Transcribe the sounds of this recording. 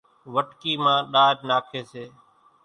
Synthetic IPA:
ʋəʈkiːmãːɗaːd͡ʒnaːkʰeːseː

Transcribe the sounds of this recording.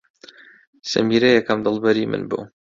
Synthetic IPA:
sɨ̰miɾɐjɛkɐmd̪ɨlˠbɐɾimɨ̰nbṵ

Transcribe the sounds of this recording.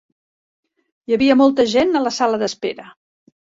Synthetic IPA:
jəβiəmɔlˠt̪əʒenələsaləðəspeɾə

